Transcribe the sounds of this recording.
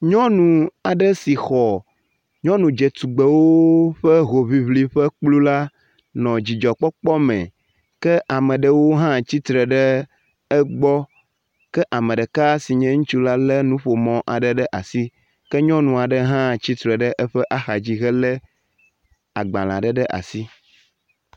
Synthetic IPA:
ɲɔ̃˦nũ˨a˨ɖə˦si˨xɔ˨ | ɲɔ̃˦nũ˨d͡ʒe˨t̪u˨ɡ͡be˨wo˦ɸə˦ɦo˨βi˦βli˦ɸə˦k͡plu˦la˦ | nɔ̃˨d͡ʑi˨d͡ʒɔ˨k͡pɔ˦k͡pɔ˦mɛ̰̃˨ | kɛ˦ʔa˨mə̃˨ɖə˦wo˦ɦã˦t͡ɕi˦t̪ɾə˨ɖə˦ | ɛ˦ɡ͡bɔ˦ | kɛ˦ʔa˨mɛ̃˨ɖɛ˨ka˦si˨ɲɛ̃˦ŋũ˦t͡ʃu˦la˦lɛ˦nũ˦ɸo˨mɔ̃˨ʔa˨ɖə˦ɖɛ˦ʔa˨si˦ | kɛ˦ɲɔ̃˦nũ˨a˨ɖə˦ɦã˦t͡ɕi˦t̪ɾɛ˨ɖə˦ʔɛ˦ɸɛ˦ʔa˦xa˨d͡ʑi˦ɣɛ˦lə˦ | a˨ɡ͡bã̰˨lã̰˨ɖə˦ɖə˦ʔa̰˨si˦

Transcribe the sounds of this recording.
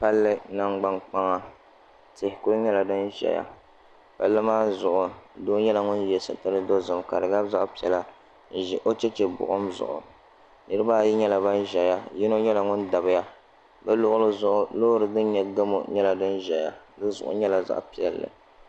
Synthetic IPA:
pa˦lːɨ˦na˦ŋɡ͡ba˦ŋk͡pa˦ŋa˦ | tɪ˨hkʊ˦ɾɲɛ˦la˨dɨ˦nʒɛ̰˨ja̰˦˨ | pa˦lːɨ˦maː˦zʊ˨ʔʊ˨doː˦ɲɛ˦la˨ŋʊ˦njɛ˨sɨ̰˨tɨ˦ɾɨ˦do˦zʊ˨mka̰˨dɨ˨ɡa˦bza˦ʔpi˨ɛ˨la˦˨ | ɛ˨ʔo˦t͡ʃɛ˦t͡ʃɛ˨bʊ̰˨ʔʊ˦mzʊ̰˨ʔʊ̰˨ | nɨ˦ɾɨ˦baː˦˨ji˦ɲɛ˦la˨ba˦nʒɛ˨ja˦ji˦no˦ɲɛ˦la˨ŋʊ˦nda˨bɪ˦ja˦ | bɛ˦lʊ˦ʔʊ˦lɨ˦zʊ˦ʔʊ˦loː˦ɾɨ˨dɨ˦nɲɛ˨ɡa˦mo̰˨ɲɛ˦la˨dɨ˦nʒɛ˨ja̰˨dɨ˦zʊ̰˨ʔʊ̰˨˦ɲɛ˦la˨za̰˦ʔpi˨ɛ˨lːɨ̰˨

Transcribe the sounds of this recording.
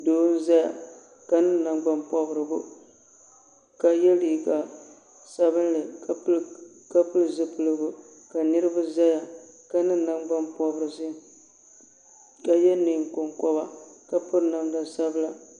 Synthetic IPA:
doː˦n̩˦za˦ja̰˨ | ka˨nɨ˦na˨ŋɡ͡ba˦npɔ˦bɾɨ˨bʊ˦ | ka˨jɛ˦li˨ka˨ | sa˦βɨ˦n˦lɨ˨˦ | ka˦pɨ˦lzɨ˦pɨ˨lɨ˨bʊ˨ | ka˨nɨ˦ɾɨ˦ba˦za˦ja˨ka˦nɨ˦na˦ŋɡ͡ba˦mpɔ˦bɨ˨ɾɨ˨sɨ˦ | ka˨jɛ˦nːɨ˨ŋ˨kʊ˨ŋkɔ˦ba˨ka˦pɨ˦ɾna˦mda˨sa˦bɨ˦la˨

